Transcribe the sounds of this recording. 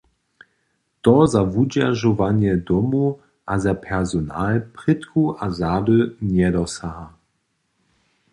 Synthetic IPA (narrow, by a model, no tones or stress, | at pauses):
t̪ɔzavud͡ʑaʒɔvaɲjɛdɔmu | ʔazapʰɛʁzɔnaːlpʁ̥ɪt̪kuʔazaːdənjɛdɔsaɦa